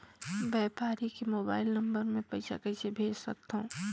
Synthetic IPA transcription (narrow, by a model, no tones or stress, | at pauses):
bɛːpaːɾikemoːbaːɪlnɐ̃mbəɾmẽpɐɪsa̰kɐɪsebʱeːd͡ʒsɐ̰k̚t̪ɦõː